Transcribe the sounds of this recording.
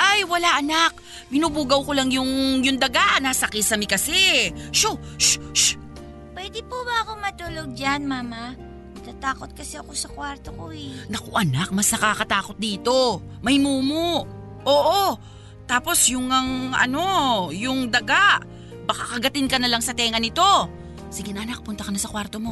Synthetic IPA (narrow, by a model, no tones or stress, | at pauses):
ʔajwɐlaʔɐnak̚ | bɪnubuːɡɐwko̞laŋjʊŋjʊŋd̪ɐɡaʔnaːsɐkɪsɐmɪkɐsɛʃo | ʃʃ | pwɛːd̪ɪpubɐɐko̞mɐt̪uːloɡ̚d͡ʒanmaːma | nɐt̪at̪aːko̞t̪̚kɐsɛɐko̞sɐkwaɾt̪okoɛnɐkoʔɐnak̚mɐsnɐkaːkɐt̪aːko̞t̪̚d̪iːt̪o̞mɐjmuːmoʔ | ʔoːʔo | t̪aːpo̞sjʊŋɐŋʔɐ̰no̞jʊŋd̪ɐɡaʔ | bɐkakɐɡɐt̪ɪnkɐnɐlaŋsɐt̪ɛːŋɐnɪt̪o̞ | siɡɪnɐʔɐnak̚pʊnt̪ɐkɐnɐsɐkwaɾt̪o̞mo̞